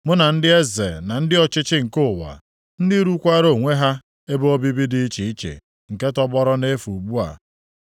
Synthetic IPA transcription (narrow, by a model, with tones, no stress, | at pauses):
mʊ˦na˨n̩˦dɪ˦e˦zḛ˨na˨n̩˦dɪ˦ɔ˨t͡ʃɪ˦t͡ʃɪ˦ŋ̩˨kʊ˦˨wa̰˨ | n̩˦dɪ˦ɾu˦kʷa˦ɾo˦˨ŋʷe˦ɦa˦ | e˦bo˦bi˦bi˦dɪ˦i˦t͡ʃi˨i˦t͡ʃḛ˨ | ŋ̩˨ke˦tɔ˦bɔ˦ɾɔ˦ne˦fu˨ɡ͡bu˦a̰˨